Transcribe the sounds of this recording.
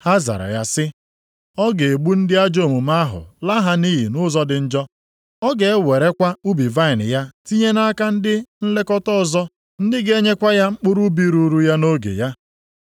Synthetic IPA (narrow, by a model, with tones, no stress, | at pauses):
ha˦za̰˨ɾa̰˨ja˦sɪ˦ | ɔ˦ɡe˨e˨ɡ͡bu˦n̩˦dɪ˦a˦d͡ʒo˦˨mu˨ma˦ɦʊ̰˨la˦ɦa˦ni˦ɦḭ˨nʊ˦zɔ˦dɪ˨n̩˦d͡ʒɔ˦ | ɔ˦ɡe˨e˦we˨ɾe˦kʷa˦u˦bi˨va˦ɪ˨nɪ̰˨ja˦ti˦ɲe˦na˦ka˦n̩˦dɪ˦n̩˦le˦kɔ˦tɔ˦ɔ˨zɔ˦ | n̩˦dɪ˦ɡe˦ɲe˦kʷa˦ja˦ŋ͡m̩˦k͡pʊ˦ɾu˦bi˦ɾu˦ɾu˦ja˦no˦ɡḛ˨ja˦